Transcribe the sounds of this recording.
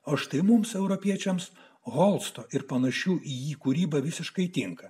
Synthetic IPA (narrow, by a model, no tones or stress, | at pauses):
oːʃt̪ɐɪmʊmsɛʊɾɔpʲiɛt͡ʃʲɛms | ɣolˠst̪oːʔɪɾpɐnɐʃʲuːʔijiːkʊɾʲiːbɐʋʲɪsʲɪʃkɐɪt̪ʲɪŋkɐ